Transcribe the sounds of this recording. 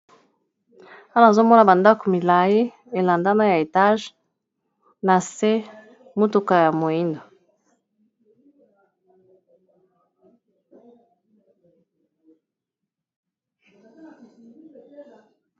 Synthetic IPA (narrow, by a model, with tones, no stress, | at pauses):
a˦la˦˨a˨zo˦mo˦na˨ba˨nda˦ko˨mi˨la˨ji˦ | e˨la˨nda˦na˦ja˨e˨ta˦ʒ | na˨se˦ | mo˦tu˨ka˨ja˨mo˨ji˦ndo˨